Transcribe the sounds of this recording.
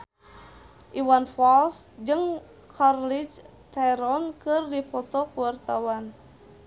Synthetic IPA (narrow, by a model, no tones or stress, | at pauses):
ʔiwanfɔlsd͡ʒɨŋ | kʰarlit͡ʃ | t̪ajɾɔnkɨrdipɔt̪ɔkuwart̪awan